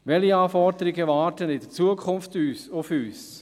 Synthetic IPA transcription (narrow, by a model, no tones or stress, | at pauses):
ʋɛliaːfɔɾd̪əɾɪɡəvɑːɾtənɪd̥ət͡suəkʰʊnftyːsʊfyːs